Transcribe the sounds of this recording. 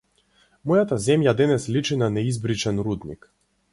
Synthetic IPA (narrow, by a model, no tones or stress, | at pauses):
mɔjat̪azʲɛmjad̪ɛnɛslʲit͡ʂɨnanɛizbɾit͡ʃɛnɾud̪nʲḭk